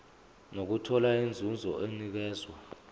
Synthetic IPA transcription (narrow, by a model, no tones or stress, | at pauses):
nok̬utʰɔlaind͡zʱund͡zʱɔ̰ʔenik̬ɛːzwa